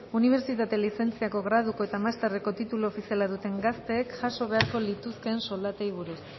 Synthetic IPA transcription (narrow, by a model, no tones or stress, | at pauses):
uniβ̞e̞ɾt͡ʃit̪at̪e̞lise̞nt͡siako̞ɣɾað̞uko̞e̞t̪amast̪ereko̞t̪it̪uloːfisialaðut̪e̞ŋɡast̪e̞ːkʝaso̞β̞e̞aɾko̞lit̪uske̞ːnso̞ld̪at̪eiβ̞uɾus